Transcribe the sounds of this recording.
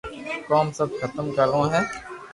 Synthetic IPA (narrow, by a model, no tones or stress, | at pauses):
kɔːmsɐbkʰɐt̪əmkɐɾõɦɛ̃ː